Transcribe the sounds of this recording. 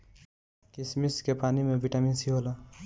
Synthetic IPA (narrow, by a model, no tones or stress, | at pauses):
kɪsmiskepaːnimẽbiʈamiːnsiɦoːlaː